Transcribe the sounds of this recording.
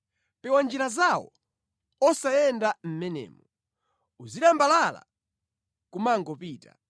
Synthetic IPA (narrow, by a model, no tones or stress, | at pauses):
pɛwand͡ʒiɾazawɔ | ɔsajɛndam̩mɛnɛ̰ːmɔ | uziɗambalala̰ | kumaŋɡɔpiːta